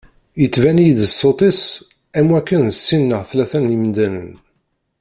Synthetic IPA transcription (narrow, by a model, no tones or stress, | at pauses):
jət͡sːvænijd̪əsːot̪ˤis | æmwækːənðəsːinːəʁθlæθænimnd̪ænə̰n